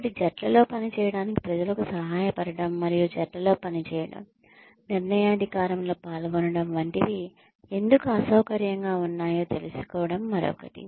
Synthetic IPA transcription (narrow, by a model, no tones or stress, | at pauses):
ʈid͡ʒɐʈlɐlo̞ːpɐnit͡ʃɛːjɐɽaːniki̥pɾɐd͡ʒɐlɐkusɐɦaːjɐpɐɽɐɽɐmːɐɾijud͡ʒɐʈlɐlo̞ːpɐnit͡ʃɛːjɐɽɐ̰m | niɾnɐjɐɐd̪ʱikaːɾɐmlo̞ːpaːlɡoːnɐɽɐmʋɐɳʈid̪i | e̞nd̪ukuɐsɐwkɐɾjɐŋɡaːunːaːjo̞ːt̪e̞lusu̥kɔːʋɐɽɐmːɐɾɔ̰ːkɐʈḭ